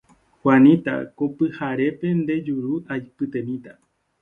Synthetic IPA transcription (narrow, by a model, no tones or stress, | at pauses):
hwanĩt̪a̰kopɨhaɾe̞pe̞nd̪e̞d͡ʒuɾuajpɨt̪ẽ̞nĩt̪a